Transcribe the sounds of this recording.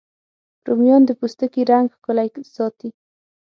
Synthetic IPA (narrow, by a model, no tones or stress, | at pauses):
ɾomjɑnd̪əpust̪əkiɾaŋɡxkʊlaksɑt̪i